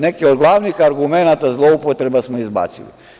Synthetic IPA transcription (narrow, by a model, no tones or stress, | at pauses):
ne̞keod̪ɡlˠaːʋnixaɾɡumenat̪azlˠo̞upot̪ɾe̞basmoizba̰ːsḭlḭ